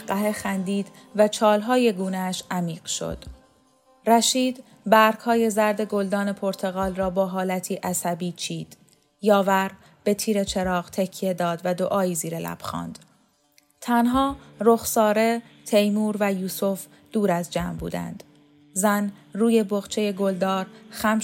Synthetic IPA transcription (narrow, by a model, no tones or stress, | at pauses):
ɢæɦexænd̪iːd̪ | væt͡ʃʰɒːlɦɒːje̞ɡuːnæʃæmiːɢ̥ʃo̞̰d̪̥ | ræʃiːd̪ | bæɾkhɒːje̞zæɾd̪e̞ɡo̞ld̪ɒːne̞pʰo̞ɾt̪ʰe̞ɣɒːlrɒːbɒːɦɒːlæt̪ʰiːʔæsæbiːt͡ʃʰiːd̪̥ | jɒːvæɾ | b̥e̞t̪ʰiːɾe̞t͡ʃʰe̞ɾɒːʁt̪ʰecʰːijed̪ɒːd̪væd̪oʔɒːjiːziːɾelʔæ̰b̥xɒ̰ːnd̪̥ | t̪ʰænɦɒːroxsɒːɾe̞ | t̪ʰe̞jmuːɾvæjuːsof | d̪̥uːɾæzd͡ʒæːmbṵːd̪æ̰nd̪̥ | zænruːje̞boɣt͡ʃʰe̞je̞ɡo̞ld̪ɒːɾxæm